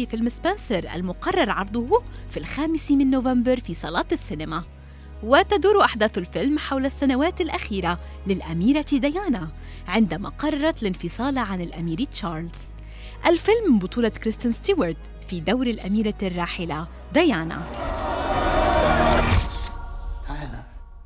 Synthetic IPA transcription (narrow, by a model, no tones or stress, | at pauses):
fifɪlmɪspɪnsɑɾˤʔa̰lmʊqɑrˤːɑɾˤʕɑɾˤd̪ˤʊhfilxaːmɪsmɪnːovambɑɾfiːsˤɑlɑːt̪asːɪnɪma | wɪt̪ad̪uːɾʔaħd̪aːθalfɪlmħawlasːanawaːt̪alʔaxiːɾa | lɪlʔamiːɾad̪ajaːna | ʕɪnd̪ama̰qɑrˤːɑɾˤɑt̪lɪnfɨsˤɑːlʕanɪlʔamiːɾiːt̪t͡ʃɑːɾˤlz̥ | ʔalfɪlmbʊt̪ˤuːlɑkɾɪst̪ɪnst̪uwɑɾd̪ | fid̪awɾalʔamiːɾarˤːɑːħɪla | d̪ajaːna̰ | ala